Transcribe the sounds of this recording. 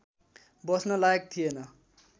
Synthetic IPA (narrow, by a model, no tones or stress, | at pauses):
bʌsnʌlaek̚t̪ʰijenʌ